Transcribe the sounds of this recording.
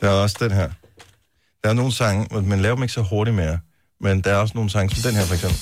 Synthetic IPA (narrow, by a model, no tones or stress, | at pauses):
d̥eæɐɒ̽sd̥enɦeɐ̰ | d̥ɑ̈æɐno̝ːn̩sɑ̈ŋəmenlɛːʊɐ̥meɡ̥əsɒɦo̝ɐɾimejɑ | mend̥ɑ̈æɐɒ̽səno̝ːn̩sɑ̈ŋəsɒ̽md̥enheɐfɒɡ̥sem̰b̥l̩l